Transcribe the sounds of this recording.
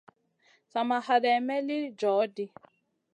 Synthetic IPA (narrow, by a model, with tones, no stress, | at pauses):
sa˨ma˨ha˨ɾɛ˨mɛ˦lɪ˦d͡ʒɔː˨˦di˦